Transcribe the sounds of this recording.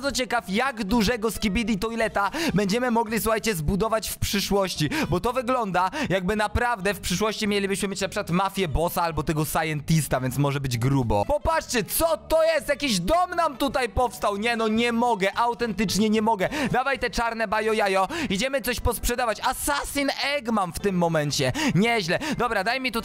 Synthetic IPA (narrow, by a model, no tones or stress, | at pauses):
ɾd̪zɔt͡ɕɛkafjaɡd̪uʐɛɡɔskʲibʲid̪ʲit̪ɔjlɛt̪abɛɲd͡ʑɛmɘmɔɡlʲisuxajt͡ɕɛzbud̪ɔvat͡ɕfpʂɘʂwɔɕt͡ɕibɔt̪ɔvɘɡlɔnd̪ajaɡ̚bɘnapɾavd̪ɛfpʂɘʂwɔɕt͡ɕimʲjɛlʲibɘɕmɘmʲjet͡ɕnapʂɘkwat̪mafʲjɛbɔsaalbɔt̪ɛɡɔsajɛnt̪ist̪avʲjɛnt̪smɔʐɛbɘd͡ʑɡɾubɔ̰pɔpat͡ʂt͡ɕɛt̪sɔt̪ɔjɛst̪jakʲiʑd̪ɔmnamt̪ut̪ajpɔfst̪awɲɛnɔɲɛmɔɡɛʔawt̪ɛnt̪ɘt͡ʂɲɛɲɛmɔɡɛd̪avajt̪ɛt͡ʂaɾnɛbajɔjajɔid͡ʑɛmɘt̪sɔɕpɔspʂɛd̪avat͡ɕasasʲinɛɡmamft̪ɘmːɔmɛɲt͡ɕɛɲɛʑlɛd̪ɔbɾad̪ajmʲit̪ut̪